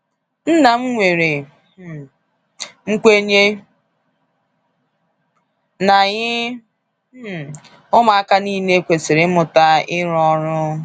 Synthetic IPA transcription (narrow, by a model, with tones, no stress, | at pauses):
n̩˦na˨m̩˦ŋʷe˨ɾe˨ | ŋ̩˦kʷe˦ɲe˦ | na˨ɲɪ˦˨ | ʊ˦ma˨a˦ka˦ni˦ne˦kʷe˨sɪ˨ɾɪ˦mʊ˨ta˦ɪ˦ɾɔ˦ɾʊ˦